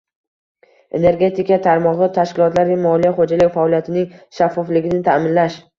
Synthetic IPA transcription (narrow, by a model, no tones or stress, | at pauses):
e̞̰ne̞ɾɡʲe̞t̪ʰɪkat̪ʰaɾmɒʁɨt̪ʰaʃkʲɪlˠɒt̪laɾɡʲamɒlijaχod͡ʒalɪɡʲfaɒlijat̪ʰɪnɪŋʃafːɒflɪɡʲɪnɪt̪ʰamɪnlaʃ